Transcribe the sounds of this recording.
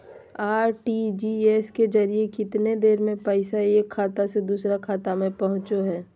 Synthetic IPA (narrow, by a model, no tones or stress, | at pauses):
aːɾʈid͡ʒiɛːsked͡ʒɐɾijekɪt̪ned̪eːɾmẽpəɪsaeːkʰːaːt̪ased̪uːsɾakʰaːt̪amẽpɐɦʊ̃t͡ʃoɦɛː